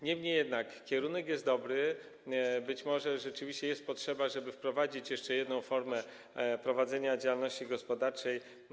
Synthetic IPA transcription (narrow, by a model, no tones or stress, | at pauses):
ɲɛmɲejɛd̪nakkʲɛɾunɛkjɛst̪̚d̪ɔbɾɘ | bɘt͡ɕmɔʐɛʐɛt͡ʂɘvʲiɕt͡ɕɛjɛst̪̚pɔtʂɛbaʐɛbɘfpɾɔvad͡ʑit͡ɕjɛʂt͡ʂɛjɛd̪nɔ̃w̃fɔɾmɛ | pɾɔvad̪zɛɲad͡ʑawalnɔɕt͡ɕiɡɔspɔd̪aɾt͡ʂɛj